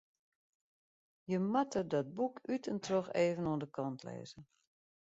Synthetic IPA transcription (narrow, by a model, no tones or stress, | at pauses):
jəmatədɔt̚bukʰytʰəntʰroxeːvənoəndəkʰɔntʰlɛ̰ːzə